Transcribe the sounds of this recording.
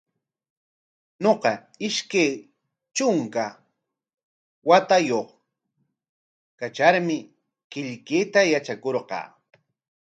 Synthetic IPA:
noqɑ | ɪʃkaj | t͡ʃʊŋka | wat̪ajoχ | kat͡ʃaɾmɪ | kɪʎkeːt̪ajat͡ʃakoɾqɑ̰ː

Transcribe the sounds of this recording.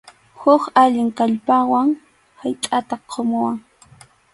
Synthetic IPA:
hʊkaʎɪŋkaʎpawaŋ | hajt̪ʼat̪aqʰomʊwaŋ

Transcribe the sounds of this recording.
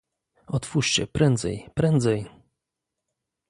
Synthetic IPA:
ɔt̪fuʂt͡ɕɛ̰pɾɛnd̪zɛ̰jpɾɛnd̪zɛj

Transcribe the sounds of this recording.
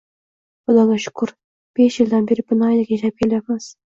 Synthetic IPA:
bʊd̪ɒlaʃʊ̥kʰʊɾ | b̥eʃjɪld̪anbeɾɪb̥ʊnɒjd̪akʲjeʃap̚kʲʰelajat̪maz̥

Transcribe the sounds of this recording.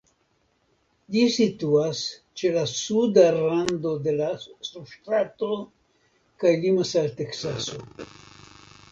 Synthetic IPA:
d͡ʒisit̪uas | t͡ʃe̞lasudaɾando̞de̞last̪ɾuʃt̪ɾato̞ | kajlimasalte̞ksaso̞

